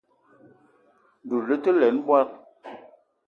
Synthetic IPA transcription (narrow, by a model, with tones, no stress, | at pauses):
du˨lə˦tə˦lɛ˨˦nɓwa˦t̚